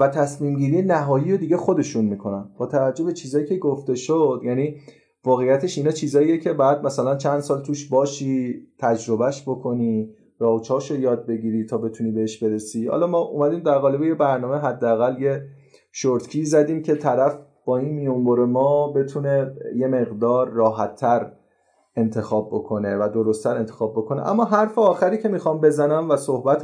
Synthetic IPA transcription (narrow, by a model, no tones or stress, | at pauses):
væt̪ʰæsmiːmɟiːɾijenæɦɒːjiːɾod̪iːɟe̞xo̞d̪e̞ʃunmiːkʰo̞nænb̥ɒːt̪ʰævæd͡ʒːo̞bet͡ʃʰiːzɒːjiːcʰeɡoft̪e̞ʃod̪̥jæːniː | vɒːɣejːæt̪ʰe̞ʃinɒːt͡ʃʰiːzɒːijecʰe̞bɒjæd̪̚mæsælænt͡ʃʰænd̪̥sɒːlt̪ʰuːʃbɒːʃiːt̪ʰæd͡ʒɾo̞bæʃbokʰo̞niː | ɾɒt͡ʃʰɒːʃojɒːd̪̚be̞ɡʲiɾit̪ʰɒːbe̞t̪ʰuniːbe̞heʃb̥e̞ɾe̞siːhɒ̰lɒːmɒːʔumæd̪iːmd̪æɾɣɒːlebeje̞bæɾnɒːmeɦæd̪ːeæɣælje̞ | ʃoɾt̪cʰiːzæd̪iːmcʰe̞t̪ʰæɾæf | b̥ɒːinmijo̞mboɾe̞mɒːbe̞t̪ʰune̞je̞me̞ɣd̪ɒːɾːɒːɦæt̪ʰːæɾ | e̞nt̪ʰe̞xɒːbːo̞kʰo̞ne̞væd̪o̞ɾost̪ʰːæɾe̞nt̪ʰe̞̥xɒːb̚ːokʰo̞nḛʔæ̰mːɒːɦæɾfeɒːxæɾiːcʰe̞miːxɒmbe̞zænæmvæso̞hbæt̪ʰ